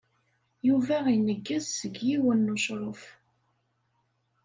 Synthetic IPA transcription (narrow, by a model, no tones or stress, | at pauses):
juvæinəɡːæzsəɡjiwənːuʃɾˤof